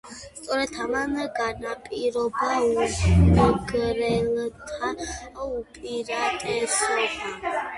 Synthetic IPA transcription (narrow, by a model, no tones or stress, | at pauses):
st̪ʼɔɾɛt̪ʰamamɛɡanapʼiɾɔbauɔɡɾɛlt̪ʰaupʼiɾat̪ʼɛsɔba